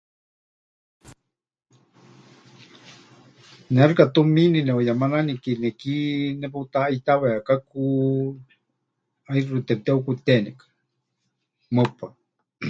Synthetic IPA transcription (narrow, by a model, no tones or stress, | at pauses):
nearkat̪uminineojamananikinekineput̪aaijt̪aβeakaku | ajɾɾut̪et̪eukut̪enekḁ | məpa